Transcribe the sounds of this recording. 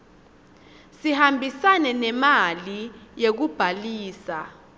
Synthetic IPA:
sihambʱisanɛnɛmalijek̬ub̥ʱaliːsa

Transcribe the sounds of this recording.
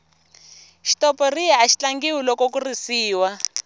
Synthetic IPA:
ʃi̥tɔpɔriɛaʃi̥t͡ɬaŋɡiwulɔkɔkurisiːwa

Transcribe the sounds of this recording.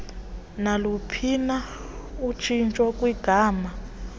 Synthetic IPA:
nalupʰina | ut͡ʃʰint͡ʃʼɔkʼwiɡ̥ʱaːma

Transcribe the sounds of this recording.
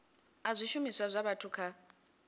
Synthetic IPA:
azʷiʃumiswazʷaβatʰukʰa

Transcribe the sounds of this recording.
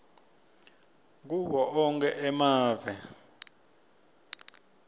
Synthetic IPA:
k̬ʼuɓɔʔɔŋkʼɛʔɛmaːvɛ

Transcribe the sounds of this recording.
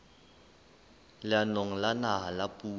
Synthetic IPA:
lɪanoŋ̩lanaɦalapʼuː

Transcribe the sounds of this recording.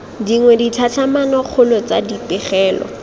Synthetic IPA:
diŋwɛditʰat͡ɬʰamanɔk͡xʰʊlɔt͡sa̰dipɪχɛːlɔ̰

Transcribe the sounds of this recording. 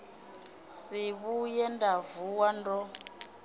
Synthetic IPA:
siβujɛndavuwandɔ

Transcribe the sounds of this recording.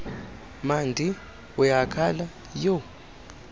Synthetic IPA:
mandʱi | ujakʰala | jo

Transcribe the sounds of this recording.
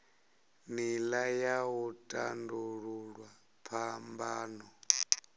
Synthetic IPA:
milajawɔtʼanduɺuɺwa | pʰambaːnɔ

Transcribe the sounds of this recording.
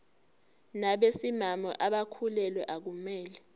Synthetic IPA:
naɓesimamɔ̰ʔaɓakʰulɛlwɛʔak̬umɛːlɛ

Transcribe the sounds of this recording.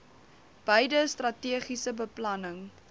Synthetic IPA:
b̥əjdəstrɐtiəχisəbəplɐnəŋ

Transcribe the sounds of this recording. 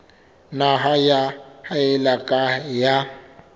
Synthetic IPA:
naɦajahaɪlakʼaja

